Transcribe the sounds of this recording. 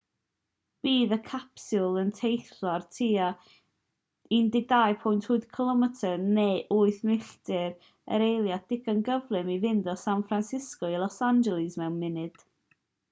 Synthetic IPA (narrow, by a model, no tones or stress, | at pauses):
b̥iːðəkʰapsʊlˠəntʰejθlɔrtʰiːa | indɪɡ̚dajpʰɔjntʰhʊɨð̥kʰəlˠɔmɛtʰəneʔʊɨθmɪɬtɪɾ | ə̰ɾejlˠjad̥ɪɡənɡəvlˠɨmivɪndɔsanfransɪskɔilˠɔsand͡ʒɛlˠɪzmɛwnmɪnɨd̥